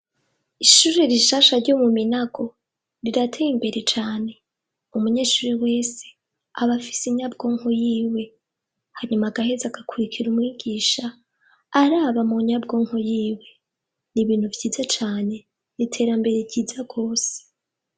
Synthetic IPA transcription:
iʃuːɾeɾiʃaʃaɾɟomuminaɡo̞ | ɾiɾatʰejimbe̞ɾe̞t͡ʃaːne̞ | umuɲeːʃuːɾiwe̞ːse̥ | aβafi̥siɲabɡo̞ːŋhojiːwe̞ | haɲumaɡahezaɡakʰuɾikʰiɾumŋiːɡiːʃaː | ɾaːβamuɲabɡo̞ːŋhojiːwe̞ | niβiːn̥huvɟiːzat͡ʃaːne̞ | nitʰe̞ːɾambe̞ɾe̞vɟiːzaɡ̥o̞ːse̥

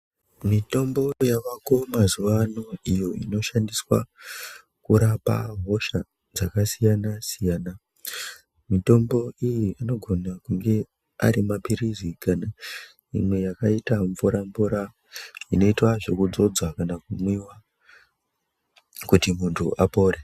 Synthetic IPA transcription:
mito̞mbo̞jaʋako̞mazuʋanoijo̞ḭno̞ʃandiswa̰ | kuɾapa̰ɦo̞ʃa | d͡zakasijanasijaːna | mito̞mbo̞ijiano̞ɡʱo̞nakuŋɡe̞ | a̰ɾimapiɾizikana | imwe̞jakaitaɱvuɾaɱvuɾa | ino̞itwaʐe̞kud͡zo̞d͡zwakanakumwiwa | kutimuntʰṵʔapo̞ːɾe

